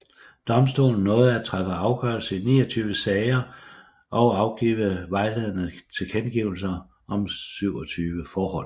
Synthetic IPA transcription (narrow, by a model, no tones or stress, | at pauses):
d̥ɒ̽msd̥o̝̰ːln̩ːɔ̽ːð̩ˠæt͡sʰʁafəɑ̈ʊɡ̥ɶɐ̰lsəinḭːɒt͡sʰyːʋəsɛɪɐ | ʔɒ̽ʊɑ̈ʊɡ̥ḭːʋəʋɑ̈ɪleðˠnət͡sʰe̝lkʰenɡ̥iːʊl̩sɐ | ʔɒ̽msyʊ̰ɒt͡sʰyːʋəfɒːhɒ̽l̰